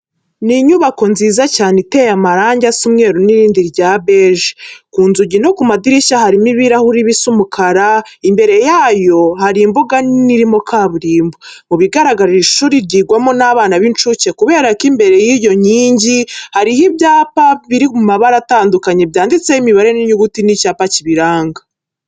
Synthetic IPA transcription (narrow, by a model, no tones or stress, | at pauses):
niɲuβako̞nziːzacaːnete̞jamaɾaːɲɟasumŋe̞ːɾuniɾiːndiɾɟaːbeːʒikuːnzuɟino̞kumadiɾiʃahaɾimiβiɾahuɾiβisumukʰaɾaimbe̞ɾe̞jaːjo̞haɾimbuɡaniɾimo̞kʰaːβuɾiːmbomuβiɡaɾaɡaɾiɾiʃuːɾiɾɟiːɡwamonaːβaːnaβint͡ʃuce̞kuβe̞ːɾakimbe̞ɾe̞jijo̞ɲiːɲɟihaɾihibjaːpaβiɾimumaβaɾataːndukaɲebjaːndit͡se̞jimiβaɾe̞niɲuɡutinicaːpaciβiɾaːŋɡa